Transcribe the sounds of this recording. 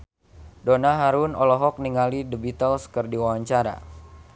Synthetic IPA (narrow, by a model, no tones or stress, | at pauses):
donaɦaɾunɔlɔɦɔk̚niŋalidəbit̪əlskərdiwawaɲt͡ʃaɾa̰